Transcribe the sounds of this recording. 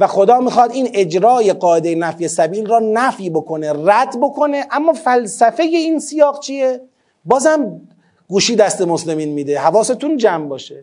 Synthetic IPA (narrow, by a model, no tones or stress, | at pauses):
væxo̞d̪ɒːmiːxɒd̪iːne̞d͡ʒɾɒːje̞ɢɒːʔe̞d̪ejenæfje̞sæbiːlrɒːnæfjibo̞kʰo̞ne̞ræd̪bo̞kʰo̞neʔæmːɒːfælsæfe̞je̞iːnsijɒːɣt͡ʃʰije | bɒːzhæm | ɡuːʃiːd̪æst̪emosle̞miːnmiːd̪e̞hævɒːset̪ʰund͡ʒæmbɒːʃe